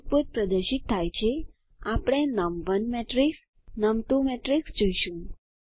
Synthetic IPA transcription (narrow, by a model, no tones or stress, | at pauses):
puɾ̚pɾəd̪əɾʃit̪ʰːajt͡ʃʰe | apɽ̃enəmʋənmeʈɾiks | nəmt̪ũmeʈɾiksd͡ʒoiʃũ